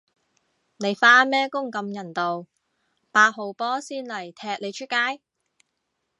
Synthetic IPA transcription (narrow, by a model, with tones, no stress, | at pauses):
ne˨˧jfaː˥mɛː˥kʊ˥ŋkɐ˧mjɐ˨˩nt̪o˨w | paː˧ho˨˧wpɔː˥siː˥nlɐ˨˩jt̪ʰɛː˧k̚le˨˧jt͡ʃʰɵ˥t̚kːaː˥j